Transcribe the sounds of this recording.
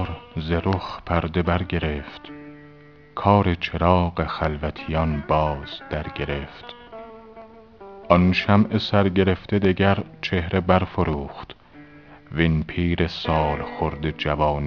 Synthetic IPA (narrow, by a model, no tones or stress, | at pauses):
ɾzeɾoxpʰæɾd̪e̞bæɾɟe̞ɾe̞ft̪ | kʰɒːɾe̞t͡ʃʰe̞ɾɒːɢe̞xælvæt̪ʰijɒnbɒːz̥d̪̥æɾɟe̞ɾe̞ft̪ | ʔɒnʃæmesæɾɟe̞ɾe̞ft̪ed̪eɟæɾt͡ʃʰe̞hɾe̞bæɾfoɾuːχt̪ | viinpʰiːɾesɒːlxoɾd̪e̞d͡ʒævɒːn